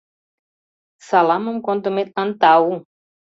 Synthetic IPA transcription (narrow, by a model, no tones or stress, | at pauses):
salamumkõnt̪umet̪̚ɐ̃nt̪aw